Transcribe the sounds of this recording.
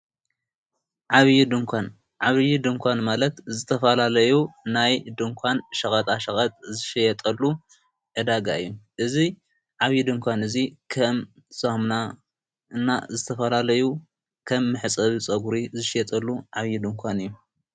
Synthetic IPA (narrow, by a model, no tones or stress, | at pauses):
ʕaβjid̪ɨŋkʷʰan | ʕaβjid̪ɨŋkʰʷanmalɐt̪zɨt̪ʰɐfɐlalɐjunajd̪ɨŋkʷʰanʃɐxʼɐt̪ʼaʃɐxʼɐt̪ʼzɨʃjɛt̪ʼɐlːu | ʕɨd̪aɡa̰ɨjːuʔɨzi | ʕaβjid̪ɨŋkʷʰanɨzikʰɐm | sahmna | ɨna̰zɨt̪ʰɐfɐlalɐju | kʰɐmːɨħɨt͡sʼɐβit͡sʼɐɡuɾizɨʃɪjɛt̪ʼɐlːuʕaβjid̪ɨŋkʷʰanɨjːu